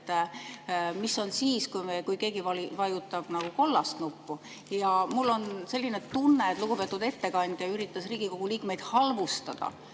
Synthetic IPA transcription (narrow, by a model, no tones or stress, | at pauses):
t̪ː | miso̞nsiːskujmekujke̞ːɡivɑlivɑjut̪ːˑɑb̥nɑɡ̥uko̞lːɑst̪nupːu | jɑmulːo̞nse̞lːine̞t̪unːe̞t̪luɡ̥upe̞t̪ːˑud̪e̞t̪ːe̞kɑnʲd̪̥jɑyɾit̪ːˑɑsriːɡ̥iko̞ɡ̥uliːkme̞jd̪̥hɑlvust̪ɑd̪̥ɑ̰